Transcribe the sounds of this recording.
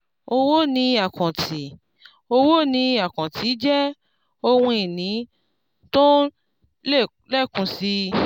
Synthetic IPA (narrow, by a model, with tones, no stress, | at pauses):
o˧wo˦nĩ˧a˨kɔ̃˨tʰi˨ | o˧wo˦nĩ˧a˨kɔ̃˨tʰi˨˦d͡ʒɛ˦ | o˧wũ˧i˨nĩ˨˦ | to˦ | le˦˨ | lɛ˦˨kũ˨˧˦si˧